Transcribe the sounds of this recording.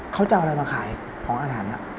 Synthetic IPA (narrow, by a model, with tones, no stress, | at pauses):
kʰa˦˥wt͡ɕa˧ʔa˧ɾa˧jmaː˧kʰaː˨˩˦j | kʰɔː˩˦ŋʔaː˧ɦaː˩˦nla̰˧˩ʔ